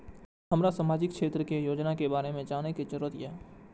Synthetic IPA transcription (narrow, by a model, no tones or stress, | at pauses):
ɦəmɾasaːmaːd͡ʒɪkkʃʰeːt̪ɾəkejoːd͡ʒnakebaːɾemẽd͡ʒaːnekit͡ʃəɾuːət̪iɛː